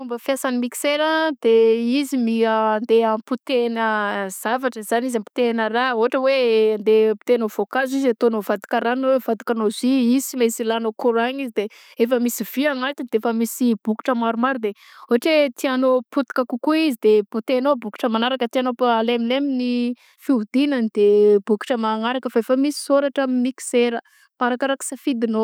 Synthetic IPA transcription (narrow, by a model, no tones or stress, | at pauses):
umbəfiasanimiki̥seɾəd̪eizimiand̪eamput̪enəz̥avaʈ͡ʂəizanizampu̥t̪enəɾaoaʈ͡ʂəweand̪epu̥t̪enovokazizat̪onovad̪i̥kaɾanowevad̪i̥kanoziisimesilanokuɾaɲizid̪e | efəmisiv̥iaŋalt̪ind̪eefəmisib̥uki̥ʈ͡ʂəmaɾumaɾud̪e | oɦaʈ͡ʂet̪ianoput̪i̥kakukuizid̪eput̪enobuki̥ʈ͡ʂəmanaɾakət̪ianopaalemilemini | fiud̪inanid̪̥ebuku̥ʈ͡ʂəmaŋaɾakəfaefəmisi̥soɾaʈ͡ʂamimiki̥seɾə | paɾakaɾaki̥safid̪ino